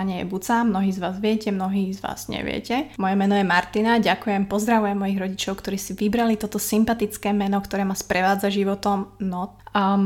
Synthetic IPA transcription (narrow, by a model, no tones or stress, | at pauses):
aɲɛjɛ̰but͡samnɔɦiːzʋaːzʋɪɛcɛmnɔɦiːzʋa̰ːz̥ɲɛ̰ʋɪɛ̰cɛmɔjɛmɛnɔjɛmaɾt̪inaɟakujɛmpɔzd̪ɾaʋujɛmːɔjiɣɾɔɟit͡ʃɔʊkt̪ɔɾiːsiʋibɾalit̪ɔt̪ɔsimpat̪it͡skɛːmɛnɔkt̪ɔɾɛːmaspɾɛʋaːd͡zaʒiʋɔt̪ɔmnɔ